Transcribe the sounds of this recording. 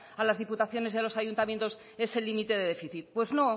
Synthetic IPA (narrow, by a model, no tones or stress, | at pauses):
alazð̞iput̪aθjo̞ne̞zðelo̞saʝunt̪amje̞nt̪o̞s | e̞se̞limit̪e̞ðe̞ðe̞fiθit̪̚pwe̞zno̞